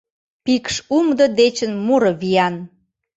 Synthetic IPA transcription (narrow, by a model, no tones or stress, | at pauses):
pikʃumd̪əd̪et͡ɕənmuɾə̆βijɑn